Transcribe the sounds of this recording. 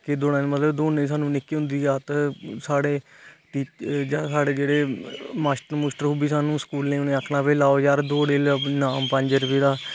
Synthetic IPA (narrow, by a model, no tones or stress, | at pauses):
kɪd̪oːnãːnmət̪ləbd̪oːnẽːs̬aːnũːnɪkːiːɦʊ̃nd̪iːaːt̪əsaːɽeː | ʈiːt͡ʃd͡ʒaːsaːɽeːd͡ʒeːɽeːmaːsʈəɾmuːsʈəɾɦuːbiːsaːnũːskuːlnẽːnẽːəkʰnãːpeːlaːoːjaːɾd̪oːɽeːlnaːmpə̃ɲd͡ʒəɾʊpeːd̪aː